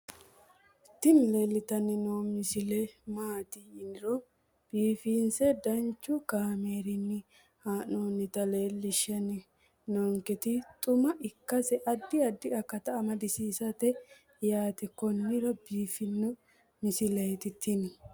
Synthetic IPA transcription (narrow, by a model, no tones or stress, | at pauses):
t̪ːɪnle̞ːlːɪt̪ɐnːɪnomɪsɪlɛmaːt̪ɪːnɪɾɔ | b̥iːfiːnsɛd̪ɐnt͡ʃːʊkaːmeːɾɪnːɪ | haːnoːnːɪt̪ɐle̞ːlːɪʃɐnɪ | nɔŋkɛt̪ɪt̪ʼʊmɐʔɪkːɐsɛʔɐd̪ːɪɐd̪ːɪɐkːɐt̪ɐːmɐd̪ɪsiːsɐt̪ɛ | jaːt̪ɛkːɔnɪɾɐbiːfɪnːɔ | mɪsɪlɛjt̪ɪt̪ʰːɪnɪ